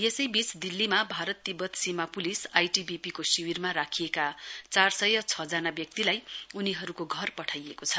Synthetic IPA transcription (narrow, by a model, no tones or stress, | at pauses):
jesʌjbit͡sd̪ilːimabʱaɾʌt̪ːibʌt̪simapulisajʈibipikosiwirmaɾakʰijekat͡sarsʌjʌt͡sʰʌd͡zanabjʌk̚t̪ilajuniɦʌɾukoɡʱʌrpʌʈʰajekot͡sʰʌ